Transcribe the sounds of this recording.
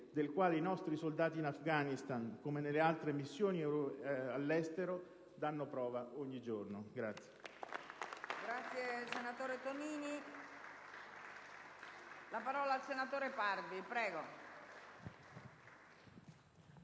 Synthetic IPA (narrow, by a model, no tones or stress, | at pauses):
d̪elkwaːleinɔst̪ɾisold̪aːt̪iːnafɡanist̪ankomenelːealt̪ɾemisːjoːniɾalːɛst̪eɾo | d̪anːopɾɔːvaʔoɲːid͡ʒornoɡɾat̪sːje | ɡɾat̪sːjesenat̪oːɾet̪oniːni | lapaɾɔːlaːlsenat̪oːɾepard̪ipɾɛːɡo